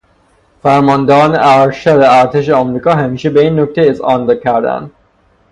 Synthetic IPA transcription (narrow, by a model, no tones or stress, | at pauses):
fæɾmɒːnd̪ɒneʔæɾʃæd̪eæɾt̪ʰeʃeɒmɾiːkɒːɦæmiːʃebeiːnːok̚t̪ʰeizɒːnd̪ekʰæɾd̪æ̰nd̪